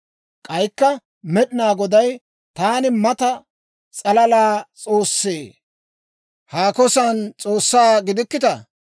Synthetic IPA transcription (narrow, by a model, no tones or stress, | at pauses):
kʼɐjkːɐ | mɛɗɪnaːɡɔd̪ɐj | t̪aːnɪmɐt̪ɐ | t͡sʼɐlɐlaːt͡sʼo̞ːsːeː | haːkɔsɐnt͡sʼo̞ːsːaːɡɪd̪ɪkːɪt̪ɐ